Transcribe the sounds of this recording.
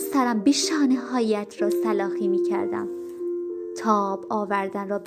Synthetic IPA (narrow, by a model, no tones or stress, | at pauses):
sæɾæmbeʃɒːneɦɒːjæt̪ʰrɒːsælɒːhiːmiːcʰæ̰ɾd̪æ̰m | t̪ʰɒːbɒːvæɾd̪ænrɒːb